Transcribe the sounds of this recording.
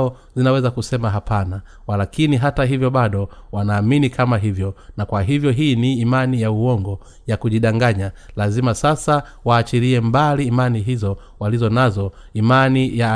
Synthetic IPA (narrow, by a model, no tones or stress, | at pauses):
ɔ | zinawɛzakusɛmaɦapʰana | walakiniɦataɦivjɔɓaɗɔwanaːminikʰamaɦivjɔnakwaɦivjɔɦiːniːmanijauwɔŋɡɔ | jakuʄiɗaŋɡaɲalazimasasa | waːt͡ʃiɾiɛmbaliːmaniɦizɔ | walizɔnazɔ | imanija